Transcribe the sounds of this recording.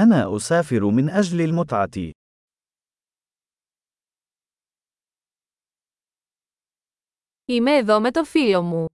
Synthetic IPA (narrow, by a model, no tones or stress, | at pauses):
ʔanaːʔʊsaːfɪɾʊmɪnʔad͡ʒlalmʊt̪ˤʕɑt̪ɪ̰ | imeːðome̞t̪ofilo̞mu